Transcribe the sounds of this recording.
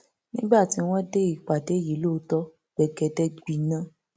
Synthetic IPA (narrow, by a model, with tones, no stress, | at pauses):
nĩ˦ɡ͡ba˦˨ti˧w̃ɔ̃˦de˦i˨k͡pa˨de˨˦˨ji˨˦lo˦tɔ˦ | ɡ͡bɛ˨ɡɛ˧dɛ˧ɡ͡bi˨nã˦